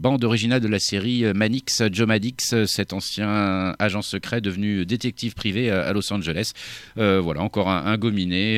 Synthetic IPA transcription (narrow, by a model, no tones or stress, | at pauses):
bɑ̃d̪ɔʁiʒinald̪əlaseʁiømaniksd͡ʒomad̪iksøsɛt̪ɑ̃sjɛ̃aʒɑ̃səkχɛd̪əvnyd̪et̪ɛk̚t̪ifpχivea̰lɔsɑ̃ʒəlɛsøvwalaɑ̃kɔʁɛ̃ʔɛ̃ɡɔmine